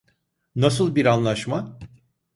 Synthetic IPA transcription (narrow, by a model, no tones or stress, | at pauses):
nas̬ɯlˠbiɾanlˠaʃma